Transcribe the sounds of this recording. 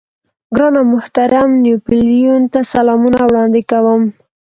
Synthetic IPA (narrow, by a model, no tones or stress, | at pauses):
ɡɾɑnamʊht̪aɾamnjupɪljunt̪asalɑmunawɽɑnd̪ɪkawəm